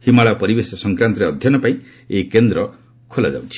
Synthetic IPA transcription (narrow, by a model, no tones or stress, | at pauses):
himaɭɔpɔɾibesɔsɔŋkɾant̪ɔɾeɔd̪ʱjɔnɔpãĩ | ekend̪ɾɔ | kʰola̰d͡ʒa̰wt͡ʃʰi̥